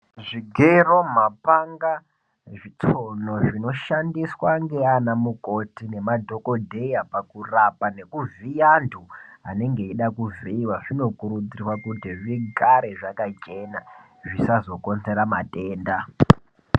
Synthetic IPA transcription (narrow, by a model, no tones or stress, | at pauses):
ʐiɡʱero̞mapaŋɡa | ʐit͡so̞no̞ʐino̞ʃandiswaŋɡe̞anamuko̞tine̞madʱo̞ko̞dʱe̞japakurapane̞kuvijandʰʱua̰ne̞ŋɡe̞iɗakuveiwaʐino̞kuɾud͡zirwakutiʐiɡaɾe̞ʐakat͡ʃe̞na | ʐisazo̞ko̞nze̞ɾamate̞ːnda